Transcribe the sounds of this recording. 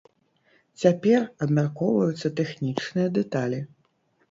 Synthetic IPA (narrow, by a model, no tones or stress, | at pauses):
t͡sʲapʲɛrɐbmʲarkɔvɐjut̪sːɐt̪ɛxnʲit͡ʂnɨjɐd̪ɛt̪alʲi